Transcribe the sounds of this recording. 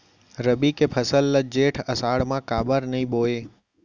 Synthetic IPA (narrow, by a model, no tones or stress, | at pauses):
ɾəbikepʰəsəlːəd͡ʒeʈʰəsaɽmãkaːbəɾnəĩboe